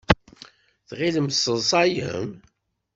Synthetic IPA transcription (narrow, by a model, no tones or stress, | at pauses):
θʁiðəmsəðˤsˤɑjə̰m